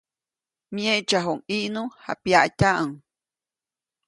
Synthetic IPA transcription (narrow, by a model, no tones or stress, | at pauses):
mjeʔt͡ʃaɦoŋiʔnuha̰pjaʔcaʔəŋ